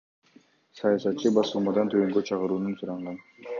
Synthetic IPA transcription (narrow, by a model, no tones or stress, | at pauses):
sɑjɑsɑt̪̚t͡ʃːɯbɑsɯlˠmɑd̪ɑnt̪ʰøøŋɡøt͡ʃʰɑqɯɾuːnunsuɾɑɴʁɑn